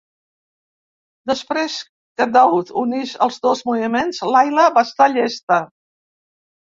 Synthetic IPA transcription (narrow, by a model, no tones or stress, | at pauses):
d̪əspɾes | kəd̪awut̪unizə̰lˠzðozmuβimenzlajləbast̪aʎest̪ə